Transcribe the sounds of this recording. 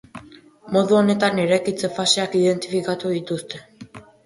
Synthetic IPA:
mo̞ðuo̞ne̞t̪aneɾajkit͡sefaseakiðe̞nt̪ifikat̪uit̪ust̪e

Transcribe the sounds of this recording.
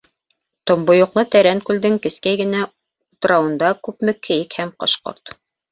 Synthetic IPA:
t̪ŏmbŏjŏqlˠɤt̪æɾæŋkʉld̪ɘŋkɘ̆skæjɡɘ̆næ | ut̪ɤ̆ɾɑwɤ̆nd̪ɑkʉpmɘ̆kʰɘ̆jɘkhæmqo̰ʃqo̰ɾt̪

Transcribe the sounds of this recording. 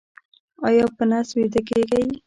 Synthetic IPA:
ɑjɑpənaswed̪əkeɡaj

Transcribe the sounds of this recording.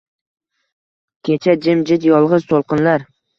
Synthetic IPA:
kʲʰet͡ʃʰad͡ʒɪmd͡ʒɪt̪jɒlˠʁɨzt̪ʰolˠqɨnlaɾ

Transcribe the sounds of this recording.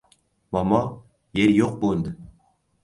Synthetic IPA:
mɑmɑ | jeɾjoq̚bond̪ɪ

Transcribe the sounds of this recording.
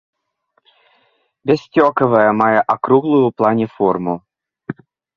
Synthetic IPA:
bʲesʲtʲɔkəvəjəmajəʔɐkɾuɣlˠʊjʊplˠanʲɪformu

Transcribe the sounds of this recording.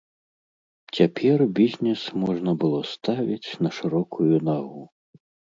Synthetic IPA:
t͡sʲapʲʰɛrbʲizʲnʲɛsmɔʐnɐbɨlˠɔst̪avʲit͡sʲnɐʂɨɾɔkʰujunaɣu

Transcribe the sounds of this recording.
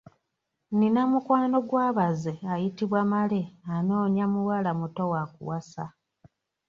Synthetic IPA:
ninamukwaːno̞ɡwaːβazeajitiβwamale̞ano̞ːɲamuwalamuto̞wakṵwasa

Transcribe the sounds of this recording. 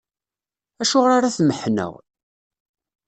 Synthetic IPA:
æʃʊʁɾaɾaθməħnə̰ʁ

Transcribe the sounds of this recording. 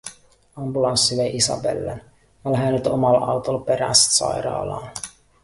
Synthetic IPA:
ɑmbulɑnsːiʋejʔisɑ̰bḛlːḛn | ɑlɦæːnyt̪omɑlʔɑwt̪olpeɾæst̪sɑ̰jɾɑ̰ːlɑ̰ːn

